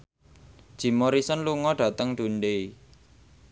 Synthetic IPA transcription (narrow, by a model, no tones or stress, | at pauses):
d̥ʒ̥i̤moɾisənluŋɔɖ̥ä̤t̪əŋd̥̪ṳnɖei